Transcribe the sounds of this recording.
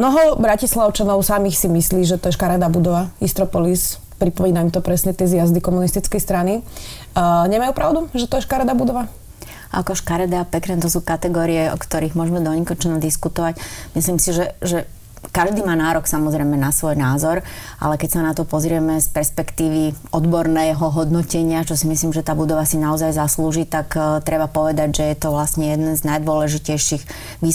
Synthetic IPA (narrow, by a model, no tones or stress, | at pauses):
mnɔɦɔbɾacislaʊt͡ʃanɔʊsamiːxsimisliːʒɛt̪ɔjɛʃkaɾad̪abud̪ɔʋaist̪ɾɔpɔlis | pɾipɔmiːnaimt̪ɔpɾɛsɲɛt̪ɪɛzjazd̪ikɔmunist̪it͡skɛjst̪ɾani | ɲɛmajuːpɾaʊd̪uʒɛt̪ɔjɛʃkaɾad̪abud̪ɔʋa | ʔa̰kɔʃkaɾad̪apɛkɾɛnt̪ɔs̬uːkat̪ɛɡɔːɾiɛɔ̰kt̪ɔɾiːɣmʊɔʒɛmɛd̪ɔɲikɔt͡ʃɔnɔd̪iskut̪ɔʋacmisliːmsiʒɛʒɛ | kaʒd̪iːmaːnaːɾɔksamɔzɾɛjmɛnasʋɔjnaːzɔɾ | ʔa̰lɛkɛcsanat̪ɔpɔzɾɪɛmɛspɛɾspɛkt̪iːʋi | ɔd̪bɔɾnɛɦɔɦɔd̪nɔcɛɲɪat͡ʃɔsimisliːmʒɛt̪aːbud̪ɔʋasinaɔzajzasluːʒiːt̪akt̪ɾɛbapɔʋɛd̪aɟʒɛjɛt̪ɔʋlasɲɛjɛd̪nɛnznajd̪ʊɔlɛʒicɛjʃiɣ | ʋiː